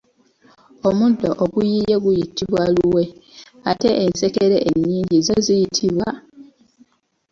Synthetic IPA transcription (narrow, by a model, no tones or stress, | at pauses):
omudoʔoɡujijeɡujitiβwaluwe̞ | ate̞ʔːnse̞ke̞ɾeʔeɲːiːɲɟizozijitʰiβwa